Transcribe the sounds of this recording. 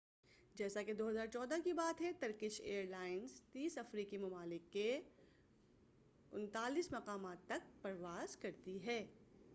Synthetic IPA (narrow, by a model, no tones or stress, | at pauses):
d͡ʒɛːsaked̪oːɦɐzaːɾt͡ʃɔːd̪akibaːt̪ɦɛt̪ɐɾkɪʃeːəɾlaːɪnzt̪iːsɐfɾiːkimɐmaːlɪkːe | ʊnt̪aːliːsmɐqaːmaːt̪ːɐk̚pɐɾʋaːzkɐɾt̪iɦɛː